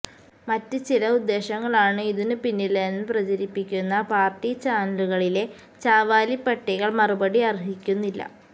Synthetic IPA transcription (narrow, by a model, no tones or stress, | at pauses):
mɐtːɨt͡ɕilɐud̪ːe̞ːɕɐŋːɐɭaːɳɨiðinɨpinːilenːɨprɐt͡ɕɐɾipːikʲːunːɐpaːrtit͡ɕaːnɐluɣɐɭile̞ | t͡ɕaːʋaːlipːɐʈːiɣɐɭmɐrubɐɽiɐriɦikʲːunːilːɐ̰